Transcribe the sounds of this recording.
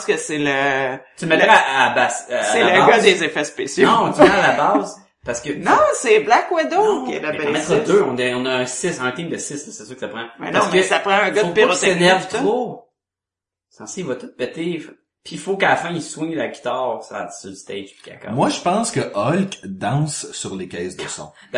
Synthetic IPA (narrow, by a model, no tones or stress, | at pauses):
skəsɛlət̪ymɛtʁaabasaseləɡʌd̪ezefɛspesjonɔ̃t̪mɛalabɑz | paʁskənɔ̃sɛblakwɛd̪okɛ̰labɛmɛt̪ɛd̪øɔ̃neɔ̃nʌ̃ːsɪsɛ̃t̪ɪ̃ŋd̪əsɪsləsɛsøkə̥sapχãmɛ̰nãsksapʁɑ̃ə̃ɡʌdopeʁenɛʁvt̪ʁo | sɑ̃siivʌt̪ʊt̪̚pɛt̪ef | pʰifokaafɛ̃iswɛ̃ɲlaɡʲit̪ɑːʁsa̰̥sylst̪ɛɪʒpi̥ka̰ka̰mwaʒəpɑ̃skəʔɔlkd̪ɑ̃ːsːyʁlekʲɛɪsd̪əsɔ̰̃ | b